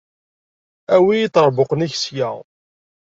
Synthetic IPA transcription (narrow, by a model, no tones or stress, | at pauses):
æwijit̪ːəɾˤbʊqəniçsja̰ʁ